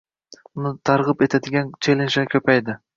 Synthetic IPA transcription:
ʊnɪt̪ʰɑɾʁɨpe̞t̪ʰad̪ɪɡʲant͡ʃʰelɪnʃɛkʲʰɵpæjd̪ɪ

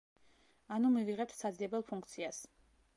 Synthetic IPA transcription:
anumiviʁɛt̪ʰsad̪ziɛbɛlˠpʰuŋkʰt̪sʰias

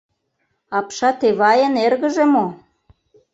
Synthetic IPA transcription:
ɑpʃɑt̪eβɑjənerɣə̆ʒemo

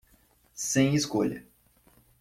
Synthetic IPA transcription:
sẽj̃iskoʎɐ̰

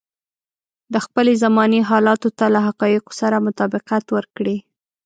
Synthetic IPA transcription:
d̪əxpəlezamɑniɦɑlɑt̪ot̪alaɦaqɑjɪqo̥saɾamʊt̪ɑbɪqat̪wəɾkɽi

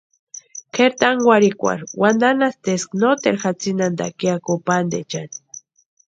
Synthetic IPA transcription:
keɾt̪aŋwaɾikʷa̰ɾwand̪anast̪esknot̪eɾxat͡sinand̪a̰kjakopand̪et͡ʃan

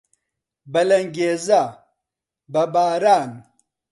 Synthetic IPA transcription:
bɐlɐŋɡeːza | bɐbaːɾaːn

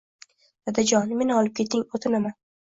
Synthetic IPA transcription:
d̪̥ad̪ad͡ʒɒnme̞nɒlɪp̚kʲʰe̞t̪ʰɪŋot̪ʰɪmaman

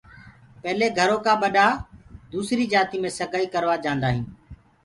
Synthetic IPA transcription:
pɛɦleːɡʱəɾoːkãːɓəɗaːd̪uːsɾiːd͡ʒaːt̪iːmẽːsəɡʱaːiːkəɾʋaːd͡ʒãːnd̪aːɦĩː

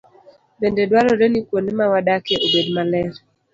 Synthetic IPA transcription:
bendedwaɾɔɾenikwonemawadakeʔobedmalɛɾ

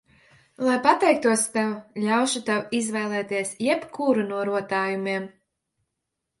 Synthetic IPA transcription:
lˠajpat̪ɛjkt̪uɔst̪ɛwlʲawʃut̪awizvɛjlˠɛːt̪iɛsjɛpkʰuːɾunuɔɾuɔt̪aːjumiɛm

